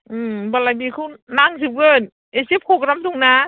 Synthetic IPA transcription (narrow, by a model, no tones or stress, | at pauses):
ʔɯːbɔlajbiːkʰunaŋsip̚ɡəːn | ʔesip̚hokɾamt̪uŋnaː